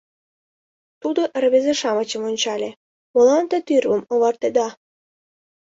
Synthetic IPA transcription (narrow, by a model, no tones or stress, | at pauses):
t̪ud̪oʔrβezeʃɑmət͡ɕəmonʲt͡ɕɑlʲe | molɑnt̪et̪yrβəmoβɑrt̪ed̪ɑ